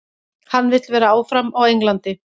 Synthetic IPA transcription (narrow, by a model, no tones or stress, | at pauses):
hanːvɪt̪lvɛːɾaaːwfɾamawejŋklant̪ɪ